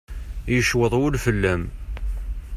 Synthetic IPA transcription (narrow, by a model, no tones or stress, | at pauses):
jəʃwəðˤwʊlfəlːæm